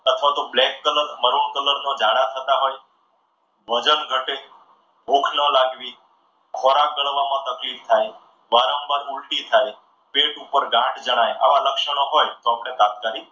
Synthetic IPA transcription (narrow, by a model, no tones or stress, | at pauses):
ət̪ʰʋat̪oblɛkːələɾməɾuɳkələɾnod͡ʒaɽat̪ʰət̪aɦoj | bʱəd͡ʒənɡʱəʈe | bʱukʰnəlaɡʋi | kʰoɾakəɭʋamãt̪əklift̪ʰaj | ʋaɾəmbaɾuɭʈit̪ʰaj | peʈupəɾɡãʈd͡ʒəɽ̃aja̰ʋaləkʃəñəɦojt̪oapɽ̃ek̪at̪̚kaɾi